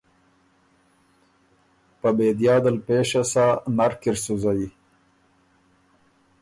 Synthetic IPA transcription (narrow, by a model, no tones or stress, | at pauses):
pəbeːd̪jɑːd̪əlpeːʃasanaɾkɪɾsuzaji